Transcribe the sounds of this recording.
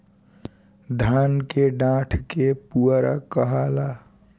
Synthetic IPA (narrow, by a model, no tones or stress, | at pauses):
d̪ʱankeɖãʈʰkepuəɾa̰kəɦala